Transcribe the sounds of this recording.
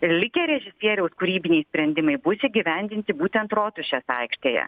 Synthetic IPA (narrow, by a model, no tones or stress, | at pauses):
lʲɪkʲɛɾʲɛʒʲɪsʲiɛɾʲɛʊskʊɾʲiːbʲɪnʲɛɪjsʲpʲɾʲɛnʲd̪ʲɪmɐɪbʊsʲɪɡʲɪʋʲɛnʲd̪ʲɪnʲt̪ʲɪbuːt̪ʲɛnt̪ɾoːt̪ʲʊʃʲɛsɐɪkʃʲt̪ʲeːjɛ̰